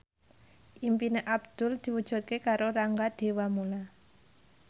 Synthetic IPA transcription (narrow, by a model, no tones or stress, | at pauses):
ʔimpineʔabd̪̥ʊ̤ld̪̥i̤wud̥ʒ̥ṳt̪̚kekaɾoɾaŋɡad̪̥e̤wamula